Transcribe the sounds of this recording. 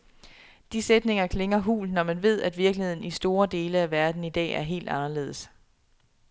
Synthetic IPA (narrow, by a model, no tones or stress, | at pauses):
d̥ised̥ne̝ŋɐkʰle̝ŋɐɦṵːlnɒmænʋe̝ð̞̰ˠæd̥ʋiɐɡ̥lihe̝ð̰ˠn̩isd̥o̝ːɐd̥e̝ːləæʋæɐd̥n̩id̥ɛ̰ːæɐɦe̝̰ːld̥ɑ̈nɐle̝̰ːð̞̩ˠəs